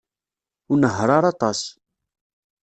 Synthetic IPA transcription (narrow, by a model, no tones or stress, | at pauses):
ʊnəɦɾˤɑɾˤɑt̪ˤɑs